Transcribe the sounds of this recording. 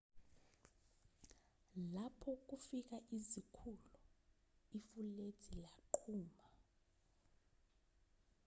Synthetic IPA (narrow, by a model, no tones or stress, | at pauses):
lapʰɔk̬ufik̬aʔizikʰulu | ifule̥ilaǃʰuːma